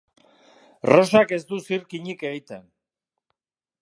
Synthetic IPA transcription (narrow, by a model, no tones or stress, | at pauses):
ro̞sake̞zd̪usiɾkiɲike̞ɣit̪e̞n